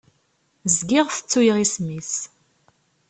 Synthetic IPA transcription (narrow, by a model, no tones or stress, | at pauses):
zɡɪʁθə̥t͡sːujʁismis